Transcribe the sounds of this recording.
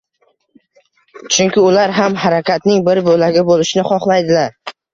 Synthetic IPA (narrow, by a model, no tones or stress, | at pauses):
t͡ʃʰʊŋkʲɪʊlaɾɦamhaɾakʲʰat̪nɪŋbɪɾbolaɡʲɪbolɪʃɪnɪχɒχlˠajd̪ɪlaɾ